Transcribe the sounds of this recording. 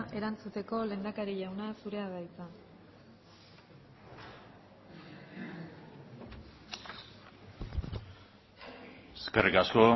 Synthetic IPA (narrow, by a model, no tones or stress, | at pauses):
ʔe̞ɾant͡sut̪e̞ko̞le̞nd̪akaɾiʎawnasuɾe̞aðajt͡sa | eskerikasko̞